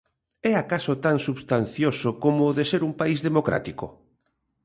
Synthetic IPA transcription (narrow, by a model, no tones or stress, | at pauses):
ɛakasot̪aŋsuβst̪an̟θjosokomoːðeseɾumpaizðemokɾa̰t̪iko̰